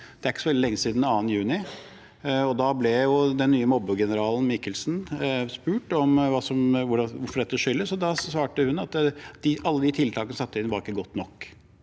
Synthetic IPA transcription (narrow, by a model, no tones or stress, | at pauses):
d̪̥ɛæɾɪkːə̥sɔʋɛld̪ɪlɛŋːəsiːd̪nɑːnjʉːnɪ | ɔd̪ɑblɛjʊd̪ɛnːyːəmɔbəɡɛnəɾɑːln̩mɪkəlsnspʉːʈɔmʋɑːsɔmʋʊɖɑʋʊɾfɔɖɛt̪ːəʂʏlːəsɔd̪ɑsʋɑːʈəhʉnːɑt̪d̪ɪʔɑlːəd̪ɪt̪ʰɪlt̪ʰɑːkənəsɑt̪ːəɪnʋɑɾɪkːəɡɔt̪ːnɔkː